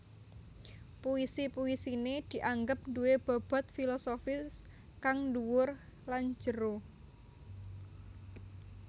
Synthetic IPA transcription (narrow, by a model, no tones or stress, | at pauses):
puisipuisined̪̥i̤ʔaŋɡəp̚duweb̥a̤b̥a̤t̪̚filɔsofɪs | kaŋduwʊrlan̥d͡ʒəɾo